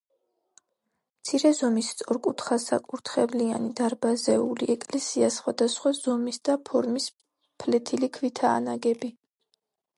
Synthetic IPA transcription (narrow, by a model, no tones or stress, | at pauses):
mt̪sʰiɾɛzɔmist̪sʼɔɾkʼut̪ʰχasa̰kʼuɾt̪ʰχɛvlia̰nid̪aɾbazɛuliɛkʼlɛsiasχwad̪asχwazɔmisd̪apʰɔɾmis | pʰlɛt̪ʰilikʰvit̪ʰaːnaɡɛbi